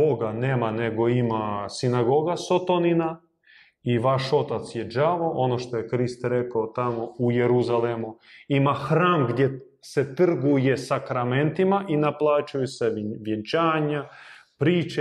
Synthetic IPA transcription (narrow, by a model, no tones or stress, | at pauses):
boɡaneːmane̞ɡo̞imasinaɡo̞ɡasot̪onina | iʋaʃo̞t̪at̪sjeʒaʋo̞ʔo̞noʃt̪ojekɾist̪ɾekaot̪amoujeɾuzalemuimaxɾaːmɡd̪je | set̪r̩ɡuje̞sakɾame̞nt̪imaʔinaplˠaːt͡ʃujuseʋjent͡ʃaːɲapɾiːt͡ʃe